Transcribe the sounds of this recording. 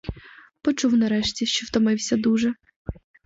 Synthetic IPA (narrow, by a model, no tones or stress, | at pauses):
pɔt͡ʃuwnɐɾɛʃtʲiʃt͡ʃɔwt̪ɔmɪwsʲɐd̪uʒɛ